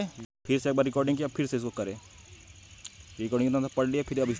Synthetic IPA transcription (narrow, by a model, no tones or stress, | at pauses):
epʰɪɾseːk̚baɾɪkɔːɾɖɪ̃ŋkiapʰɪɾseɪs̬kokɐɾeː | ɾɪkɔːɾɖɪ̃ŋkt̪ãt̪apɐɽliaːpʰɪɾɐbɪs